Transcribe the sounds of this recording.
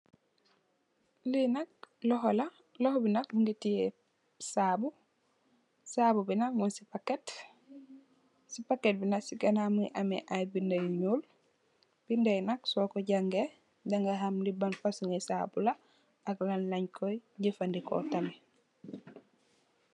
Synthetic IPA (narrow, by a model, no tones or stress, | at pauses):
linɐk̚lɔɦɔla | lɔhobinɐk̚uŋɡitije | saːbu | saːbubinakmunsipakːet | sipakːet̚binaksiɡanamuʔamɛ̰ʔajbindajɲuːl | b̥indajnaksɔːkɔɟaŋɡe | daŋɡaɦamlibanfasuŋesaːbula | aklanlɐɲkʰɔjɲɟifandikɔ̰tame